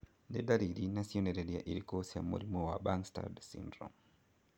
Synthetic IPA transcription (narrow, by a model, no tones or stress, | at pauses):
ndedaɾiɾinasioneɾedia̰ʔiɾikosja̰mṵɾimowabaŋsta̰dsḭndɾɔ̰m